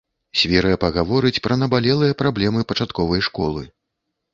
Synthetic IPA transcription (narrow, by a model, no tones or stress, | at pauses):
sʲvʲɛɾɐjɐpɐɣavɔɾɨt͡sʲpɾʔɐnɐbalʲɛlˠɨjɐpɾablʲɛmɨpɐt͡ʂat̪kɔvɐjʂkɔ̰lˠɨ